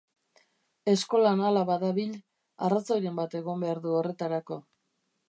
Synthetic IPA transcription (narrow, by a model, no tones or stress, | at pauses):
e̞sko̞lanalaβaðaβiʎ | arat͡sojɾe̞mbat̪e̞ɣo̞mbe̞aɾðuo̞re̞t̪aɾako̞